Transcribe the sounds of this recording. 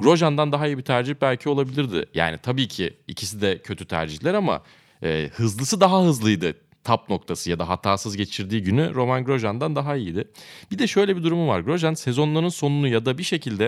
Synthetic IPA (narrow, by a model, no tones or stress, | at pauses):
ɡ̥ɾo̞ʒand̪and̪aɦaijibit̪ʰæɾd͡ʒiçbælʲcʰio̞lˠabilʲiɾd̪ɪ̰ja̰ːnit̪ʰabiːcʰiicʰis̬id̪ɛcʰø̞t̪ʰyt̪ʰæ̰ɾd͡ʒiçlʲæɾama̰ | ɛːhɯzlˠɯsɯd̪aɦahɯzlˠɯjd̪ɯ | t̪ʰap̚no̞k̚t̪ʰasɯjad̪aɦat̪ʰaːsɯzɟe̞t͡ʃʰiɾd̪iːɟynyɾo̞manɡɾo̞ʒand̪and̪aɦaijid̪ɪb̥id̪ɛʃø̞jlʲebid̪uɾumuva̰ɾɡɾo̞ʒanse̞zo̞nlˠaɾɯnso̞nunujad̪abiʃe̞cʰilʲd̪ɛ